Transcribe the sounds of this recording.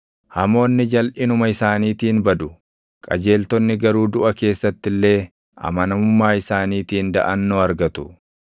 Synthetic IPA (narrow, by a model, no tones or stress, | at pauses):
hɐmo̞ːnːɪd͡ʒɐlʔɪnʊmɐɪsaːniːt̪iːnbɐd̪ʊ | kʼɐ̰d͡ʒe̞ːlt̪ɔnːɪɡɐɾuːd̪ʊʔɐke̞ːsːɐt̪ːɪlːe̞ː | ʔɐ̰mɐnɐmʊmːaːɪsaːniːt̪iːnd̪ɐ̰ʔɐnːoːɐɾɡɐt̪ʊ